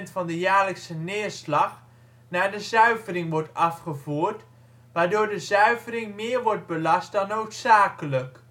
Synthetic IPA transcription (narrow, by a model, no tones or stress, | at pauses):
ntfɑndəjaːɹləksənɪːəɹslɑχ | naːɹdəzœɥvərɪŋʋɔɹtɑfχəvuːɹt | ʋaːɹdoːɹdəzœɥvərɪŋmɪːəɹʋɔɹd̚bəlɑst̚dɑnːowtsaːkələk